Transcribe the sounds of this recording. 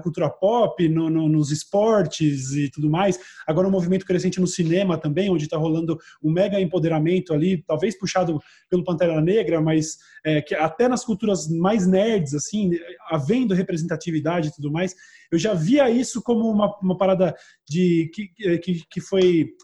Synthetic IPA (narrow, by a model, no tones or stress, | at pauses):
ɐkulwˠt̪uɾɐpɔpɪnʊnʊnʊzɪspɔɾt͡ʃɪzɪt̪ud̪ʊmajsaɡɔɾɐũmovimẽnt̪ʊ̥kɾes̬ẽnt͡ʃɪnʊsinẽmɐt̪ɐ̃mbẽj̃õd͡ʒɪt̪aɦolɐ̃nd̪ʊũmɛɡɐẽmpod̪eɾamẽnt̪ʊalit̪awvejspuʃad̪ʊ | pelʊpɐ̃nt̪aɾanɐneɡɾɐmɐjs | ɛkɪat̪ɛnɐskuwt̪uɾɐzmajznɛɾd͡ʒɪzasĩavẽnd̪ʊɦepɾezẽnt̪at͡ʃivid̪ad͡ʒɪit̪ud̪ʊmajs | ewʒaviɐisʊkõmʊũmɐũmɐpaɾad̪ɐ | d͡ʒɪkɪɛkɪkɪfoj